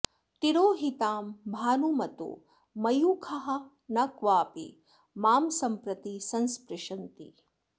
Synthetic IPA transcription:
t̪iɾoːɦit̪aːmbʱaːnumɐt̪ṵ | mɐjuːkʰɐɦɐ̆ | nɐkʋaːpḭ | maːmsɐmpɾɐt̪isɐnspɾɪʃɐnt̪ḭ

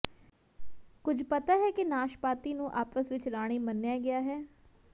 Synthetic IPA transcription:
kʊd͡ʒʱpət̪aːɦɛːkɪnaːʃpaːt̪iːnũːʔaːpəsʋɪt͡ʃɾaːɽ̃iːmənːjaːɡɪjaːɦɛː

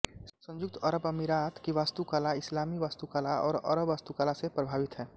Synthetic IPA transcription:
sə̃ɲd͡ʒʊk̚t̪əɾəbəmiɾaːt̪kiʋaːst̪ukalaɪslaːmiʋaːst̪ukaːlaɔ̰ːɾə̰ɾəbʋaːst̪ukaːlasepɾəbʱaːʋɪt̪ɦɛː

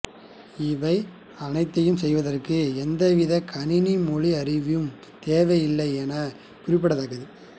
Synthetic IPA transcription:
ɪʋɐɪ | ɐnɐɪt̪ːɐjɯmsɛjʋɐðɐrkɯɛnd̪ɐʋɪðɐkʰɐnɪnimɔɻiɐɾɪʋɪjɯm | t̪eːʋɐjɪlːɐɪeːnɐ | kʊɾɪpːɐɽɐðaːkːɐðɯ

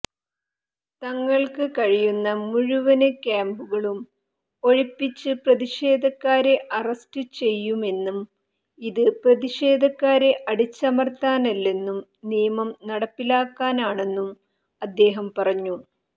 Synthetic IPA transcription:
t̪ɐŋːɐɭkɨkɐɻijunːɐmuɻuʋɐnɨkʲjaːmbuɣɐɭum | o̞ɻipːit͡ɕːɨprɐðiʂe̞ːd̪ʱɐkːaːɾe̞ʔɐrɐstɨt͡ɕe̞jːume̞nːum | iðɨprɐðiʂe̞ːd̪ʱɐkːaːɾe̞ʔɐɽit͡ɕːɐmɐrt̪aːnɐlːe̞nːum | nijɐmɐmnɐɽɐpːilaːkːaːnaːɳe̞nːum | ɐd̪ːe̞ːɦɐmpɐrɐɲːu

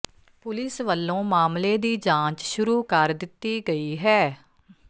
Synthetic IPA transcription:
pʊlɪsʋəlːõːmaːmleːd̪iːd͡ʒãːt͡ʃʃʊɾuːkəɾd̪ɪt̪ːiːɡəiːɦɛː

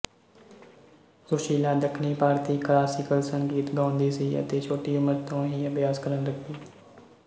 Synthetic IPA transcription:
kʊɾʃiːlaːd̪əkʰniːpaːɾt̪iːklaːsɪkəlsəŋkiːt̪ɡaːʊnd̪iːsiːə̰t̪eːt͡ʃʰoːʈiːʊməɾt̪õːɦiːəbjaːskəɾənləkʰd̪iː

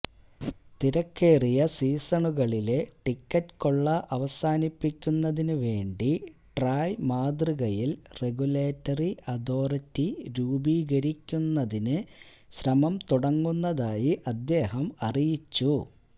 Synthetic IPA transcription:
t̪iɾɐkːe̞ːrijɐsiːsɐɳuɣɐɭile̞ʈikːɐtkoɭːɐʔɐʋɐsaːnipːikʲːunːɐðinɨʋe̞ːɳɖiʈraːjmaːd̪riɣɐjilre̞ɡuleːtːɐriʔɐd̪o̞ːrɐtːiɾuːbiːɣɐɾikʲːunːɐðinɨ | ɕɾɐmɐmt̪uɽɐŋːunːɐðaːjiʔɐd̪ːe̞ːɦɐmɐrijit͡ɕːu

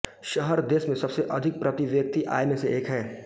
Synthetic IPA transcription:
ʃɐɦəɾd̪eːsmẽsɐbseʔɐd̪ʱɪk̚pɾɐt̪iʋjɐk̚t̪iʔa̰ːjmẽseʔeːkɦɛː

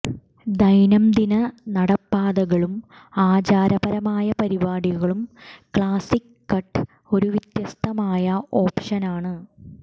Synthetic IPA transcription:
d̪ɐjnɐmd̪inɐnɐɽɐpːaːðɐɣɐɭum | aːd͡ʑaːɾɐbɐɾɐmaːjɐpɐɾibaːɽiɣɐɭumkɭaːsikːɐʈː | o̞ɾuʋit̪jɐst̪ʰɐmaːjɐʔo̞ːpʂɐnaːɳɨ

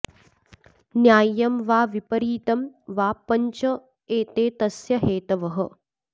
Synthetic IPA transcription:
njaːjɐmʋaːʋipɐɾiːt̪ɐmʋaːpɐɲt͡ʃɐ | eːt̪eːt̪ɐsjɐɦeːt̪ɐʋɐɦɐ

